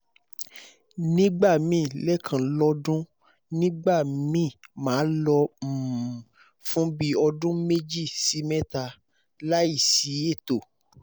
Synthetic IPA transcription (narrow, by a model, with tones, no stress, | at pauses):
nĩ˦ɡ͡ba˦˨mĩ˦˨lɛ˦kʰã˨˦lɔ˧˦dũ˦ | nĩ˦ɡ͡ba˦˨mĩ˦˨mãː˨˦lɔ˧˨ | fũ˦bi˦ɔ˧dũ˦me˦d͡ʒi˦˨si˧˦mɛ̃˦ta˧ | la˦i˦˨si˨˦e˦˨to˨